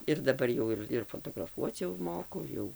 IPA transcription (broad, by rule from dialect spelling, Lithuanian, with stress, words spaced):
ɪr dɐˈbɐr jɛʊ ɪr ɪr foːtoːɡrɐˈfuɔt͡s jɛʊ ˈmoːkʊ ˈjɛʊ